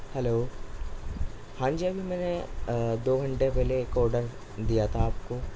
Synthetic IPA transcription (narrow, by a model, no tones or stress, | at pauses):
hɛloː | hãːnd͡ʒiɐbʱimɛːned̪oːɡʱɐ̃ɳʈepɛɦlekɔːɾɖəɾ | d̪ijat̪ʰaːp̚ko